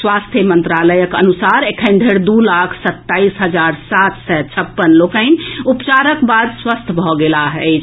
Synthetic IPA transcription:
swast̪ʰjəmənt̪ɾaləjəkə̰nusaɾekʰənɖ̪ʱeɾd̪ulakʰsət̪ːaisɦəd͡ʒaɾsat̪sɛt͡ʃʰəpːənlokaɪnupt͡ʃaɾəkbad̪swəst̪ʰbʱɔɡelaɦɛt͡ʃ

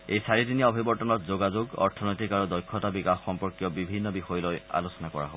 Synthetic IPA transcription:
ejsaɹitiniaɔbʱibɔɹtɔnɔt̚zoɡazoɡɔ̰ɹtʰɔnɔjtikaɹudɔjkʰːɔtabikaxːɔmpɔɹkjɔbibʱinːɔbixɔjɔloja̰losɔnakɔɹa̰ɦobɔ

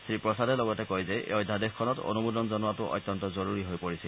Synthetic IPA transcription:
sɹipɹɔsadɛlɔɡɔtɛkɔjzɛ̰ɔjdʱːadexkʰːɔnɔto̰nubudɔnzɔnuatʊʔɔ̰jt̪ːɔntɔzoɹuɹiɦojpoɹisil

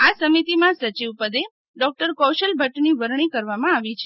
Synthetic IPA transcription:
asəmit̪imãsət͡ʃiʋpəd̪e | ɖɔk̚ʈəɾkɔwʃəlbʱəʈniʋəɾɳ̃ikəɾʋamãaʋit͡ʃʰe

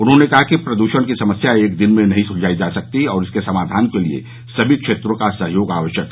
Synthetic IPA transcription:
ʊnɦõnekɐɦakipɾɐd̪uːʃənkisɐməsjaeːk̚d̪ɪnmẽnɐɦĩsʊɾd͡ʒʱaːid͡ʒasɐk̚t̪iɔːɾɪskesɐmaːd̪ʱaːnkeliḛ | sɐbʱikʃeːt̪ɾõkasɐɦjoːɡa̰ːʋəʃjək

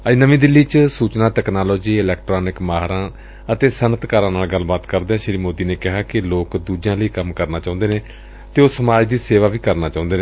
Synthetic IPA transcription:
ənəʋĩːd̪ɪlːiːt͡ʃsuːt͡ʃnãːt̪ɛːknaːlɔːd͡ʒiːɪlɛːk̚ʈɾɔːnɪkmaːɦɾãː | ət̪eːsənət̪kaːɾãːnaːlɡəlbaːt̪kəɾd̪eːɛ̃ːʃɪɾiːmoːd̪iːneːkɪɦaːkɪloːkd̪uːd͡ʒãːləiːkəmkəɾnaːt͡ʃaːʊ̃nd̪eːnẽː | t̪eːoːsəmaːd͡ʒd̪iːseːʋaːʋiːkəɾnaːt͡ʃãːʊ̃nd̪eːneː

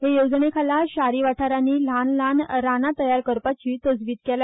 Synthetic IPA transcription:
ɦejod͡zɳekʰalaɕaɾiʋaʈʰaɾaniːl̤anlanɾanat̪əjaɾkəɾpat͡ɕiːt̪əd͡zʋiːt̪kel

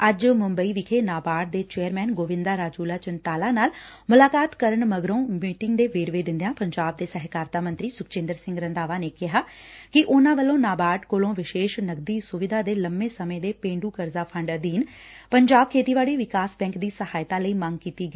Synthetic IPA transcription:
əd͡ʒmʊmbəiːʋɪkʰeːnaːbaːʈ̚d̪eːt͡ʃeːəɾmɛːnɡoːʋɪ̃nd̪aːɾaːd͡ʒuːlaːt͡ʃɪnt̪aːlaːnaːlmʊlaːkaːt̪kəɾəɳməɡɾõːmiːʈɪŋɡd̪eːʋeːɾʋeːd̪ɪ̃nd̪ejãːpəɲd͡ʒaːb̚d̪eːsɛɦkaːɾt̪aːmə̃nt̪ɾiːsʊkt͡ʃẽːnd̪əɾsɪ̃ŋɡɾənd̪aːʋaːneːkɪɦaːkɪʔʊnãːʋəlːõːnaːbaːɖkoːlõːʋɪʃeːʃnəɡd̪iːsʊʋɪd̪ʱaːd̪eːləmːeːsəmẽːd̪eːpẽːɳɖuːkəɾzaːpʰəɳɖəd̪iːn | pəɲd͡ʒaːb̚kʰeːt̪iːʋaːɽiːʋɪkaːsbɛ̃ːŋkd̪iːsəhaːjt̪ãːləiːməŋɡkiːt̪iːɡəiː

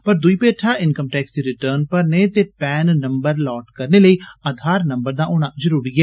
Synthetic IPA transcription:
pəɾd̪ʊiːpeːʈʰaːʔɪnkəmʈɛːksiɾɪʈəːɾnpəɾneːt̪eːpɛːnːəmbəɾlɔːʈkəɾneːləiːəd̪ʱaːɾnəmbəɾd̪aːʔoːɽ̃ãːzəɾuːɾiːɡɪɛː

